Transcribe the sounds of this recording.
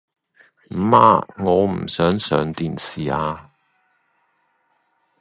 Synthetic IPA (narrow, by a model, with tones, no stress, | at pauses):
m̩˨˩ma̰ː˧ŋɔː˨˧m̩˨˩sœː˨˥ŋsœː˨˧ŋt̪iː˨˩nsiː˨˩aː˧